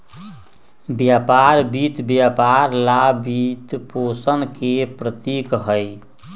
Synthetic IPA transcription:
bjapaɾbit̪bjapaɾlabit̪posənkepɾət̪ikɦəj

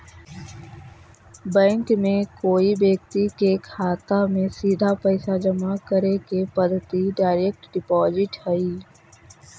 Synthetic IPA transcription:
bɛ̃ːŋkmẽkoːibeːk̚t̪ikekʰaːt̪amẽsiːd̪ʱapəɪsad͡ʒəmakəɾekepəd̪ʱt̪iɖaːɪɾek̚ʈɖɪpɔːzɪʈhɛiː

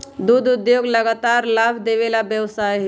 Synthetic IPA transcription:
d̪ud̪ʊd̪joɡləɡat̪aːɾlaːbʱd̪eʋelabjəwsajɦ

